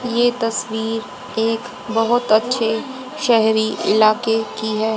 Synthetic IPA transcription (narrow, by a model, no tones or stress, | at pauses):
jet̪ɐswiːɾ | eːk | bɐɦʊt̪ɐtːʃʰe | ʃɛɦɾiʔɪ̰laːkekiɦɛː